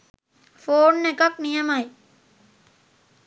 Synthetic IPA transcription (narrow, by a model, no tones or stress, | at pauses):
foːnːekɐknijɐmɐj